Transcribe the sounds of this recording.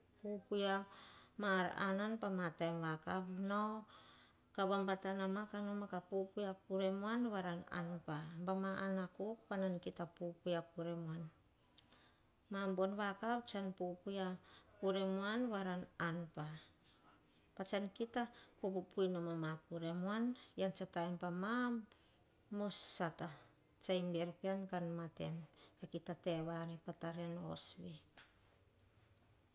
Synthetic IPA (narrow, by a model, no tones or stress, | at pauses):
pupujamaɾa̰nanpamatajnβakapnao | kaβambatanamakanomakapupujapuɾemuanβaɾana̰npambamaʔanakuk̚panankitapupujapuɾemuan | mambonβakapt͡ʃanpupujakuɾe̞muanβaɾananpa | pat͡ʃankitapupupujnomamakuɾe̞muanjant͡ʃataempamamː | o̞sata | t͡ʃajmbeɾpiankanmatḛmkakitate̞βaɾepataɾeno̰sβi